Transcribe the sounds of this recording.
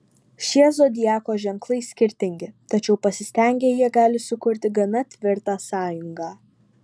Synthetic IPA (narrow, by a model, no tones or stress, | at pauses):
ʃʲiɛzod̪ʲɪjæːkoːʒʲɛŋklˠɐɪsʲkʲɪɾʲt̪ʲɪŋʲɡʲɪt̪ɐt͡ʃʲɛʊpɐsʲɪsʲt̪ʲɛˑŋʲɡʲeːjiɛɡɑːlʲɪsʊkʊɾʲt̪ʲɪɡɐmʲɛt̪ʲʋʲɪɾt̪ɑːsɑːjʊŋɡɑː